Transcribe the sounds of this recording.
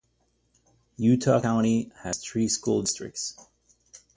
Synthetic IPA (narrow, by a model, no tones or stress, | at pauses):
jʉtʰə̰kãʊ̃ñihəz̥θɹiːskulˠdɪstɹ̥ɪ̰k̚ts